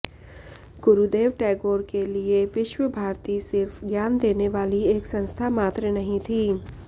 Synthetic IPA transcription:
ɡ̥ʊɾud̪eːʋʈɛːɡoːɾkelieʋɪʃwəbʱaːɾt̪isɪɾfɡjaːnd̪eːneʋaːlieːksɐ̃nst̪ʰamaːt̪ɾənɐɦĩt̪ʰiː

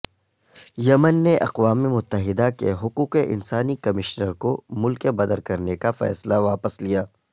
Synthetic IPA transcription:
jɐmənːeʔɐ̰qʋaːmemʊt̪ːəɦɪd̪akḛɦʊquːqeʔɪ̰nsaːnikɐmɪʃnəɾkomʊlkebɐd̪əɾkɐɾnekafɛ̰ːslaʋaːpəslijaː

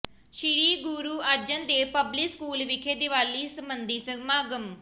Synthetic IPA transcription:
ʃɪɾiːɡuɾuːəd͡ʒənd̪eːpəblɪkskuːlʋɪkʰeːd̪ɪʋaːliːsəmbənd̪iːsəmaːɡəm

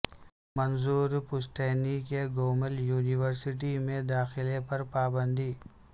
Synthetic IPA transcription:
mɐnzuːɾpʊsʈ̪ɛːnikeɡoːməljuːniʋəɾsɪʈ̬imẽd̪aːxɪlepɐɾpaːbə̃nd̪iː

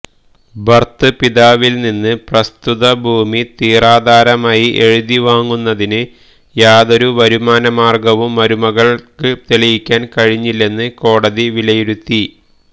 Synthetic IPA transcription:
bʱɐrt̪ɨpiðaːʋilninːɨprɐst̪uðɐbʱuːmit̪iːraːd̪aːɾɐmaːjiʔe̞ɻiðiʋaːŋːunːɐðinɨ | jaːðoɾuʋɐɾumaːnɐmaːrɡɐʋumːɐɾumɐɣɐɭkɨt̪elɐjikʲːaːnkɐɻiɲːilːe̞nːɨko̞ːɽɐðiʋilɐjiɾut̪ːi

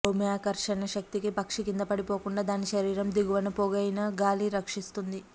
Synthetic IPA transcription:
omjaːkɐɾʂɐnɐʃɐk̚t̪ikipɐkʂikind̪ɐpɐɽipoːkuɳɖaːd̪aːniʃɐɾiːɾɐmd̪iɡuʋɐnɐpoɡɐjnɐɡaːliɾɐkʂist̪und̪i

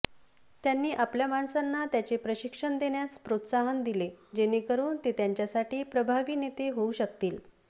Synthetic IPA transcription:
t̪janːiːʔapljamansanːat̪jat͡ɕepɾəɕikʂəɳd̪eɳjaspɾot̪saɦənd̪iled͡ʑenekəɾuːnt̪et̪jaɲt͡ɕjasaʈiːpɾəbʱaʋiːnet̪eɦouɕək̚t̪iːl

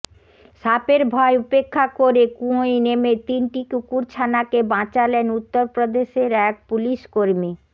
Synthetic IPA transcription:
ʃapeɾbʱɔeupekʰːakoɾekũojnemet̪inʈikukuɾt͡ɕʰanakebãt͡ɕalenut̪ːoɾpɾod̪eʃeɾɛk̚puliʃkoɾmi

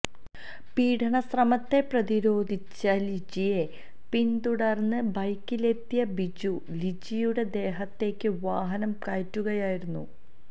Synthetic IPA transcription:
piːʈʰɐɳɐsrɐmɐt̪ːe̞prɐðiɾo̞ːd̪ʱit͡ɕːɐlid͡ʑije̞ | pint̪uɽɐrnːɨbɐjkːile̞t̪ːijɐbid͡ʑu | lid͡ʑijuɽe̞d̪e̞ːɦɐt̪ːe̞ːkʲːɨʋaːɦɐnɐmkaːjitːuɣɐjaːjiɾunːu

